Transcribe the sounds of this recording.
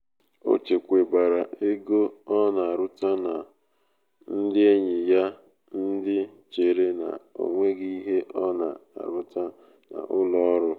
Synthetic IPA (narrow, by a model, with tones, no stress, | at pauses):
o̰˦t͡ʃe˨kʷe˨ba˨ɾa˨e˦ɡo˦ɔ˦na˨a˨ɾʊ˦ta˦na˨ | n̩˦dɪ˦e˦ɲɪ˨ja˦ | n̩˦dɪ˦t͡ʃe˨ɾe˦na̰˨o̰˨ŋʷe˦ɡi˦i˦ɦe˦ʔɔ˦na˨a̰˨ɾʊ˦ta˦ | na̰˨ʔʊ˦lɔ˦ɔ˦ɾʊ˦